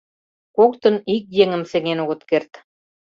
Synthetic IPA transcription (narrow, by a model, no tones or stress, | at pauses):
kok̚t̪ɤ̆nik̚jeŋɘ̆mseŋenoɣɤ̆t̪kert̪